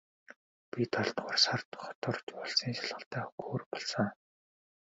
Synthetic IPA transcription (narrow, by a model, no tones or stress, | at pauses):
pʲit̪ʰɔɬt̪ʊːrsart̪χɔ̥t̪ɔrt͡ɕ̪ɔɮsiːŋsaɮʁə̆ɬt̪æːxu̥ɡoːrpɔɮsə̆ŋ